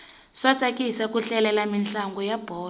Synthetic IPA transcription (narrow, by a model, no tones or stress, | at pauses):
swat͡sʼakisakuɬɛlɛlaminɬaŋɡɔjab̥ʱɔː